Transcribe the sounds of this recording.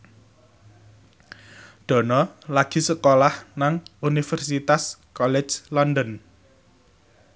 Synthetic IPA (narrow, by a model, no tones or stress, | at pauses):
d̪̥ɔ̤nɔlaɡ̥i̤səkolahnaŋunifɛrsit̪askɔlɛ̥d͡ʒlɔndən